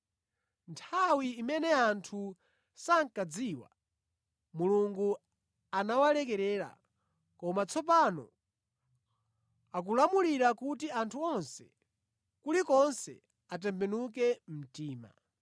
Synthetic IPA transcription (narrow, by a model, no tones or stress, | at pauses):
ntʰawiːmɛnɛantʰu | saŋkad͡ziːwa̰ | muluŋɡu | anawalɛk̬ɛɾɛːɾa̰ | kɔmat͡sʰɔp̬anɔ̰ | ak̬ulamuliɾakutiantʰuɔnsɛ | kulikɔnsɛ̰ | at̬ɛmpɛnuk̬ɛm̩tiːma̰